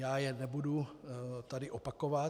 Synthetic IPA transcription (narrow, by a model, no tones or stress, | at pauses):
jaːjɛnɛbudut̪adɪʔopakova